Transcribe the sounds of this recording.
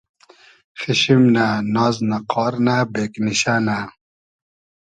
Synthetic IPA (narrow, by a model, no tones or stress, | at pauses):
xiɕimnanɑːznaqɑːɾnabeːkniɕana